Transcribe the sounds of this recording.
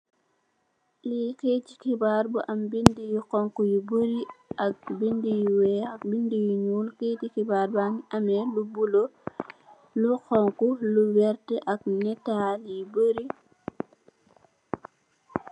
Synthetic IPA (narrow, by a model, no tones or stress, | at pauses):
liketi̥kibaːɾbuʔambindijikɔŋkujibəɾiʔak̚bindijiwɛak̚bindijuɲuːlketikibaːɾbanamɛlubulo | luxɔŋkuluwɛɾtɛʔak̚nɛtaljiboɾi